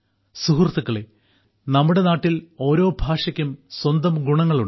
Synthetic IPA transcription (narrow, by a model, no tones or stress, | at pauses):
suɦurɐt̪ːukːɐɭe | nɐmːuɽe̞naːʈːilo̞ːɾo̞ːbʱaːʂɐkʲːumswɐnd̪ɐmɡuɳɐŋːɐɭuɳ